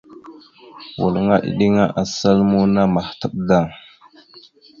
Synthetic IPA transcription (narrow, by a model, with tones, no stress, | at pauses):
wṵ˨lŋa˦ʔḭ˨ɗi˦ŋa˦ʔa˨sa˦lmu˦na˦ma˨htə˨ɓ̚da˦˨ŋ